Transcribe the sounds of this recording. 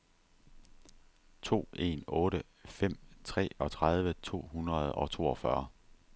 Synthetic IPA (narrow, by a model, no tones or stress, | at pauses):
t͡sʰo̝̰ːe̝̰nɔ̽ːɾə | fem̰t͡sʰʁɛ̰ːɒ̽t͡sʰʁað̞ˠʋət͡sʰo̝̰ːɦunʁɐð̞ˠɒ̽t͡sʰo̝̰ːɒ̽fɶɐ